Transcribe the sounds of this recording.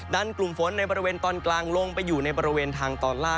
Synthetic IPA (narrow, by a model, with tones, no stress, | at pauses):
daː˧˩nklu˨˩mfo˩˦nːa˧jbɔː˧ɾi˦˧weː˧nt̪ɔː˧nklaː˧ŋlo˧ŋpa˧jːuː˨˩na˧jbɔː˧ɾi˦˧weː˧nt̪ʰaː˧ŋt̪ɔː˧˩nlaː˥˩